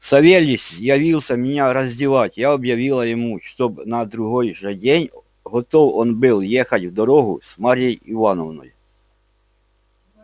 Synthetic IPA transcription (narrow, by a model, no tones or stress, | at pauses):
sɐʋʲelʲɪsʲjɐʋʲilˠsʲɐmʲɪnʲaɾɐzʲdʲɪʋɑtʲjaɔbjɐʋʲilˠɐjɪmuʃt̪ɔbnɐd̪ɾʊɦɔjʒɛdʲenʲ | ɦɔt̪ɔwɔnbɪlˠjɛxɐtʲʋd̪ɔɾɔɦʊsmɑɾʲjejiʋɑnɔʋnɔ̰jʊ